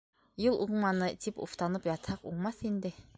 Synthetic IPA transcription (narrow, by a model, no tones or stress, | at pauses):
jɤlˠʔuɴmɑnɤt̪ʰipṵft̪ɑnɤpjɑt̪hɑqṵɴmɑθind̪ɘ